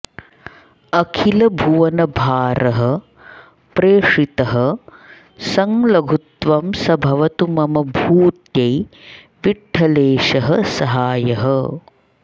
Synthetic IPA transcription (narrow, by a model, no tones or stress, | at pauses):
ɐkʰilɐbʱuʋɐnɐbʱaːɾɐɦɐ̆ | pɾeːʂɾit̪ɐɦɐ̆ | sɐŋlɐɡʱut̪ʋɐmsɐbʱɐʋɐt̪umɐmɐbʱuːt̪jɐj | ʋiʈʰːɐleːʃɐɦɐsɐɦaːjɐɦɐ